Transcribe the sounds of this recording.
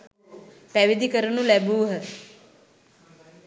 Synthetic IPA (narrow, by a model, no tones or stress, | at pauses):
pæʋid̪ikəɾənulæbuːɦə